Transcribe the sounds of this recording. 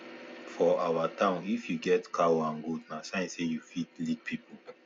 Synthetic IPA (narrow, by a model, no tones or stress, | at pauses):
fɔawatãʊ̃nifjuɡɛtkʰaãnɡudnasãĩsejufitlid̚pʰipul